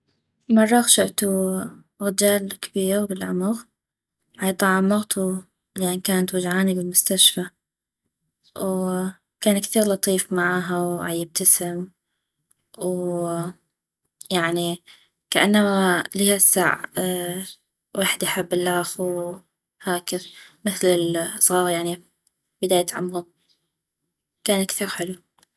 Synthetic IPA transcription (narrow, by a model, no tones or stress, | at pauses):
mɑrˤːɑɣʃaʔt̪u | ɣɪd͡ʒaːlkabiːabɪlʕʊmʊɣ | ʕajt̪ˤɑʕamʊɣt̪ʰu | lɪʔankaːnat̪wad͡ʒʕaːnibɪlmʊst̪aʃfa | w | kaːnkθiːɾlɑt̪ˤiːfmaʕaːɦawʕajɪb̚t̪asɪm | w | jaʕni | kaʔanːamalihasːa̰ʕ | waːħd̪jħabːɪlʔaːxu | haːkɪðmɪθlɪlsˤɣɑːɾjaʕni | bɪd̪aːjat̪ʕa̰mɣʊ | kaːnkθiːɾħɪlu